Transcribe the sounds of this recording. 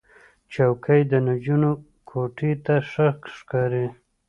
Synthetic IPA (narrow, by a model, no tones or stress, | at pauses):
t͡ʃawkʰəjd̪ənad͡ʒuno | kʰoʈʰit̪aʂəkʂkɑɾi